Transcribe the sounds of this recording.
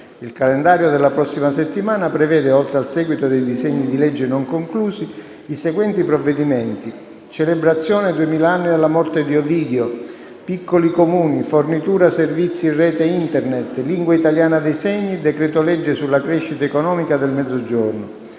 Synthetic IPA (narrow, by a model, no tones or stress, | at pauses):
ilkalend̪aːɾjod̪elːapɾɔsːimaset̪ːimaːnapɾɛvɛːd̪eɔlt̪ɾealsɛːɡwit̪od̪ejd̪izɛɲːid̪ilɛd͡ʒːɪnoŋkoŋkluːsiː | seɡwɛnt̪ipɾɔvːed̪imɛnt̪i | t͡ʃelebɾat̪sːjɔːned̪uemiːlaanːid̪elːamɔrt̪ed̪iɔviːd̪eo | pikːolikomuːnifornit̪uːɾaservit̪sːirːɛːt̪eint̪ernet̪ːliŋɡwait̪aljaːnad̪ejsɛɲːid̪ɛkɾɛːt̪olɛd͡ʒːesulːakɾɛʃːit̪aekɔnɔːmikad̪elmɛd̪zːod͡ʒornʊ